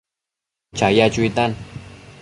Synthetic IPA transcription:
t͡ʃajat͡ʃʊjt̪an

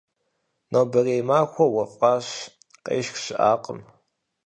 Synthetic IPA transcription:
nobɐreːmaːxʷɔwɐfʼɑːɕ | qḛːʃxɕɪʔaːqʼəm

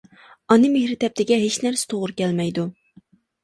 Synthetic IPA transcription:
ɑnɨmehɾɪt̪ʰɛp̚t̪ʰɪɡʲɛɦet͡ʃnæɾsɪ̥t̪ʰoʁʊɾɨkʲɛlmɛjd̪u

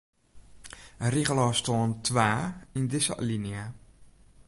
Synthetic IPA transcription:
riɣəlɔstoːəntʰʋaːindɪsə̰linia

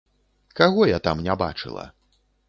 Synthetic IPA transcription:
kaɣɔjat̪amnʲaba̰t͡ʂɨ̰lˠɐ̰

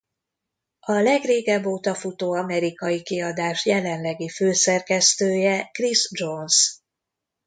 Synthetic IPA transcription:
ɒlɛɡreːɡɛbːoːt̪ɒfut̪oːɒmɛɾikɒjikiɒd̪aːʃjɛlɛnlɛɡiføːsɛrkɛst̪øːjɛkrizd͡ʒons

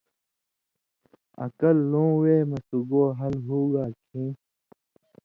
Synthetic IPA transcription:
ɐ̰kɐlːõːweːmɐsuɡoːɦɐlɦuːɡaːkʰĩː

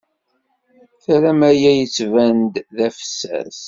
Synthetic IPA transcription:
θæɾæmæjæjət͡sːvænd̪ðæfə̥sːæ̰ɾs

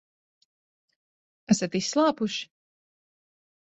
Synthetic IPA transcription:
æsat̪issːlˠaːpuʃi̥

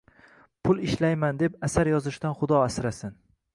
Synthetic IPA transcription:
pʰʊlˠɪʃlajmand̪e̞pasaɾjɒzɪʃt̪anχʊd̪ɒasɾasɪn

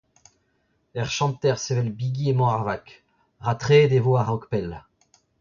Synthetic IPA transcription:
ɛʁʃɑ̃t̪ɛʁsevɛlbiɡiemɔ̃aʁvak | ʁat̪χed̪evoaʁɔkpɛl

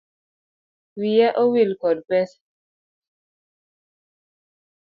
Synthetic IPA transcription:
wijaʔɔwilkɔlpɛs

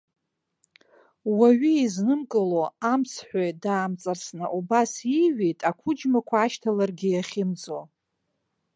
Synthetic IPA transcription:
waɥiiznɨmkʼɨloamsħʷᶣajdaːmt͡sʼarsnɨʔubasiɥejtʼakʷʰʊd͡ʒmakʷʰaːʃtʰalarɡʲɪjaχʲɪmd͡zo

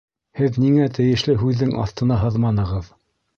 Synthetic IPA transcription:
hɘðniŋæt̪ɘ̆jɘ̆ʃlɘɦʉðːɘŋʔɑ̰θt̪ɤ̆nɑɦɤðmɑnɤ̆ʁɤð

